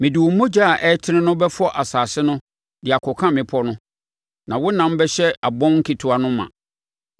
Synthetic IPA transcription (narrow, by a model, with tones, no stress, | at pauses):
mɪ̃˨dɪ˨wɔ˨˦mõ˦d͡ʑa˦a˨ʔɛ˦tʰɪ˦nɪ̃˦nʊ̃˦bɛ˦fɔ˦ʔa˨saː˨sɪ˦nʊ̃˦ | dɪ˨a˨kʰɔ˨kʰã˦˨mɪ̃˨pʰɔ˦nʊ̃˦ | nã˨wʊ˦nã˨m̩˦bɛ˦ɕɛ˦a˨bɔ̃˦mŋ̩˦kʰi˨tʰu˨a˨nʊ̃˦mã̰˨